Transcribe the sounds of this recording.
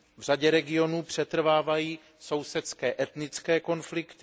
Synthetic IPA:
vr̝aɟɛɾɛɡɪo̞nuːpr̝̥ɛt̪r̩vaːvajiː | so̞wsɛt̪skɛːʔɛt̪nɪt͡skɛːko̞nflɪkt̪ɪ

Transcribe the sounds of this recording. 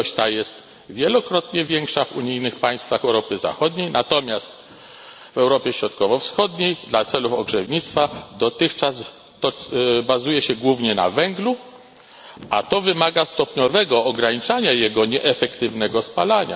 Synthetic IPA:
ɕt̪ajɛst̪ | vʲjɛlɔkɾɔt̪ɲɛvʲjɛŋkʂavṵɲijnɘxpaj̃st̪faxɛwɾɔpɘza̰xɔd̪ɲejnat̪ɔmʲjast̪ | vɛwɾɔpʲjɛɕɾɔt̪kɔvɔfsxɔd̪ɲejd̪lat̪sɛlufɔɡʐɛvɲit̪st̪fad̪ɔt̪ɘxt͡ʂaz | t̪ɔbazujɛɕɛɡwuvɲɛna̰vɛŋɡlu | at̪ɔvɘmaɡast̪ɔpɲɔvɛɡɔːɡɾaɲit͡ʂaɲajɛɡɔɲɛʔɛfɛkt̪ɘvnɛɡɔspalaɲa̰

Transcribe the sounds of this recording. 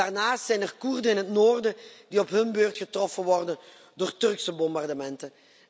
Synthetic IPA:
aːrnaːstsɛjnərkurdənɪnɦətnoːrdəd̥iɔpɦɵnbøːrtχətrɔfənʋɔrdən | doːrtɵrksəbɔmbardəmɛntə

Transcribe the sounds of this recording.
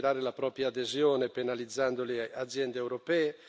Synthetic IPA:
ɾaːɾelapɾɔːpɾjaːd̪ezjɔːnepenalid̪zːand̪olead̪zːjɛnd̪eːwɾopɛː

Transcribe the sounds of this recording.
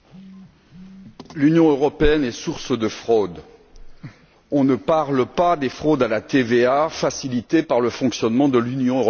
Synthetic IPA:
lynjɔ̃øʁɔpeɛnɛsuʁsd̪əfχod̪ | ɔ̃nəpaʁlpad̪efχod̪alat̪eveafasilit̪epaʁləfɔ̃ksjɔnmɑ̃d̪əlynjɔ̃øʁ

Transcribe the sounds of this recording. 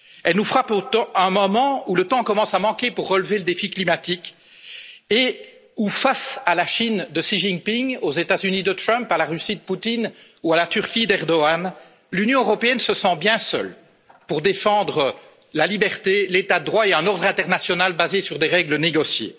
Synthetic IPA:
ɛlnufχapot̪ɑ̃ɛ̃mɔmɑ̃ulət̪ɑ̃kɔmɑ̃samɑ̃kʲepuʁːəlveləd̪efiklimat̪ikʲ | e | ufasalaʃind̪əʃiʒiŋpiŋozet̪azynid̪ət̪χœmpalaʁysid̪əput̪in | ualat̪yʁkʲid̪ɛʁd̪ɔan | lynjɔ̃øʁɔpeɛnsəsɑ̃bjɛ̃sœ̰l | puʁd̪efɑ̃d̪ʁə | lalibɛʁt̪elet̪ad̪əd̪ʁwaeɛ̃nɔʁd̪ʁɛ̃t̪ɛʁnasjɔnalbazesyʁd̪eʁɛɡləneɡɔsjḛ

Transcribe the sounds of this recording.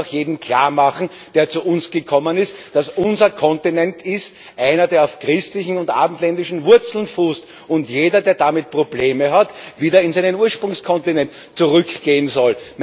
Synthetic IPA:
xjeːdn̩kʰl̥a̰ːɐmaχn̩ | d̥eːɐt͡suʔʊnsɡ̥əkʰɔmənɪstd̥asʔʊnzɐkʰɔ̃ntinɛntʰɪst | ʔæɪnɐdeːɐɑʊfkʁɪstlɪçn̩ʊntʔa̰ːbm̩tlɛndɪʃn̩vʊɐt͡sl̩nfuːst | ʊntjeːdɐdeːɐdamɪt̚pʁ̥obleːməɦatviːdɐɪnsæɪnənuːɐʃpʁʊŋskʰɔntinɛnt | t͡suʁʏkɡ̥eːənzɔlm

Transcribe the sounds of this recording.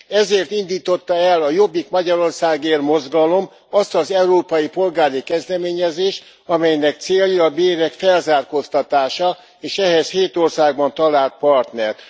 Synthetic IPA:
ɛzeːrt̪ind̪iːt̪o̞t̪ːɒɛlɒjo̞bːikmɒɟɒɾo̞rsaːɡeːrmo̞zɡɒlo̞m | ɒst̪ɒzɛuɾoːpɒjipo̞lɡaːɾikɛzd̪ɛmeːɲɛzeːʃt̪ | ɒmɛjnɛk̚t̪seːljiɒbeːɾɛkfɛlzaːrkost̪ɒt̪aːʃɒ | eːʃɛɦɛsheːt̪o̞rsaːɡ̚bɒnt̪ɒlaːlt̪̚pɒrt̪nɛrt̪

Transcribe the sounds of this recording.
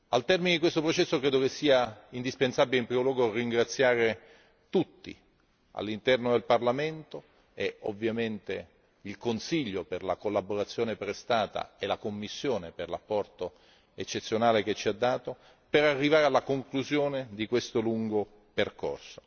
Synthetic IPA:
alt̪ɛrmined̪ikwest̪opɾot͡ʃɛsːokɾeːd̪okesːiːaind̪ispensabileimpɾiːmolwɔːɡorːiŋɡɾat̪sːjaːɾe | t̪ut̪ːḭ | a̰lːint̪ɛrnod̪elparlament̪o | eovːjament̪e | ilkonsiʎːoperla̰kolːaboɾat̪sːjoːnepɾest̪aːt̪a̰elakomːisːjoːneperlapːɔrt̪o | et͡ʃːet̪sːjonaːlek̟et͡ʃːiad̪ːaːt̪o | peɾarːivaːɾealːakoŋkluzjoːned̪ikwest̪oluŋɡo | perko̰rso̥

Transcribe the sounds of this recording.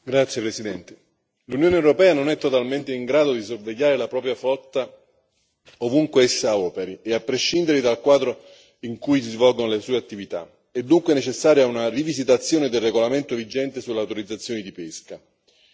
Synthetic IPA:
ɡɾat̪sːjepɾesid̪ɛnt̪e̥ | lunjoːneewɾopɛːanonɛt̪ːot̪alment̪eiŋɡɾaːd̪od̪isorveʎːaːɾelapɾɔːp̬ɾjaflɔt̪ːa | ovuŋkweɛsːaɔːpeɾieapːɾeʃːind̪eɾed̪alkwaːd̪ɾo | iŋkujs̬izvɔlɡonolesuːeat̪ːivit̪a̰ | ɛd̪ːuŋkweɛnet͡ʃesːaːɾjaunarivizit̪at̪sːjoːned̪elreɡolament̪ovid͡ʒɛnt̪esulːeawt̪oɾid̪zat̪sːjoːnid̪ipeska

